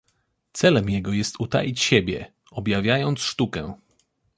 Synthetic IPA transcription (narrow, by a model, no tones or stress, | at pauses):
t̪sɛlɛmjɛɡɔjɛst̪ut̪a̰jit͡ɕɕɛbʲjɛ | ɔbjavʲjajɔnt̪sʂt̪ukɛ